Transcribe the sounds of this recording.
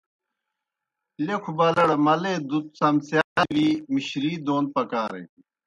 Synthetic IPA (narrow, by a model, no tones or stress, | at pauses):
lekʰubɐlɐɽmɐled̪ut̪̚sɐmsjaːɾimiɕɾiːd̪oːn̚pɐkaːɾḛ